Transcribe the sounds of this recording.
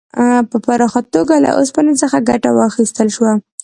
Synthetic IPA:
pəpaɾɑxat̪̚ːoɡala̰ʔospanəsəxaɡaʈa̰wɑxist̪əlʃwa

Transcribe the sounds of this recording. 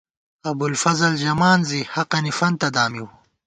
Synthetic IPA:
ɐbulfɐzɐld͡ʑɐmaːnzihɐqɐnifɐnt̪ɐd̪aːmiw

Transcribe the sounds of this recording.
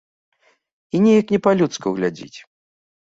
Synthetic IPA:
inʲɛjɐknʲɛpalʲut̪skuɣlʲad͡zʲḭt͡sʲ

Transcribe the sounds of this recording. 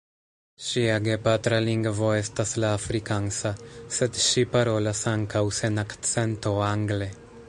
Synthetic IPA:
ʃiaɡepat̪ɾaliŋɡvoest̪aslaːfɾikaŋsaset̪ʃipaɾolasaŋkawsenakt̪t͡sent̪oaŋɡle

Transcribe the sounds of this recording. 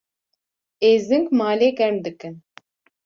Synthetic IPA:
eːzɨŋkmaːleːɡɛɾmd̪ɨkɨn

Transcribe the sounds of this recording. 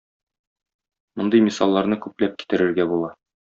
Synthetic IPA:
mŏnd̪ɤjmisɑlˠːɑɾnɤkʉplæp̚ki̥t̪ɘ̆ɾɘ̆ɾɡæbulˠɑ

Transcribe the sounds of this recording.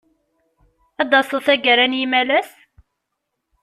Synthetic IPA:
æd̪ɑsˤoθæɡəɾænjimælæs

